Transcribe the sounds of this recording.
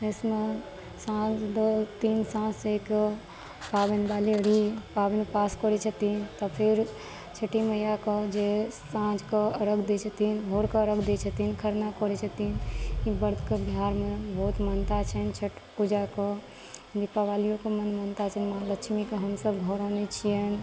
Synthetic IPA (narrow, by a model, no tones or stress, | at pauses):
esme | sãd͡ʒd̪ot̪iːnsãːsek | paːbənbaːliəɽ̤ipaːbenpaːskɔɾit͡ʃʰət̪iːnt̪ɔpʰɪɾ | t͡ʃʰəʈiməjakod͡ʒesãːd͡ʒkoəɾəkʰd̪et͡ʃʰət̪inɦoːɾkɔɾəkʰd̪et͡ʃʰət̪inkʰəɾnakɔɽit͡ʃʰət̪inkibəɾd̪ʱkebiɦaːɾmebɔːt̪mənt̪at͡ʃʰɛnt͡ʃʰəʈpud͡ʒako | d̪ipaʋaːlijõkomənmənt̪at͡ʃʰɛnmãləkt͡ʃʰmikoɦəmsəbɡʱɔɾanit͡ʃʰien